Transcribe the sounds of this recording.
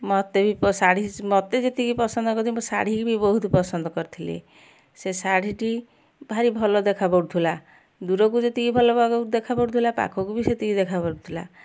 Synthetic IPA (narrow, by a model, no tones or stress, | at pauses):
mɔt̪ebipɔsaɽ̤imɔt̪ed͡ʒet̪ikipɔsɔnd̪ɔkɔɾt̪ʰimosa̰ɽ̤ikibibɔɦut̪upɔsɔnd̪ɔkɔɾit̪ʰilḛ | sesaɽiʈi | bʱaɾibʱɔlɔd̪ekʰapɔɽut̪ʰila | d̪uɾɔkud͡ʒet̪ikibʱɔlɔbaɡɔd̪ekʰapɔɽut̪ʰilapa̰kʰɔkubiset̪ikid̪ekʰapɔɽut̪ʰila̰